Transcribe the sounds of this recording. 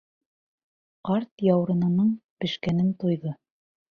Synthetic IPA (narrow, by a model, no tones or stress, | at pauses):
qɑɾt̪jɑwɾɤ̆nɤ̆nɤɴpɘ̆ʃkænɘnt̪ojðɤ